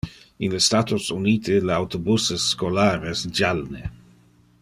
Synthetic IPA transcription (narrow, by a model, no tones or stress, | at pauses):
inlest̪at̪osuniːt̪ʰɪlawt̪obusɪsːkolaːɾesd͡ʒalne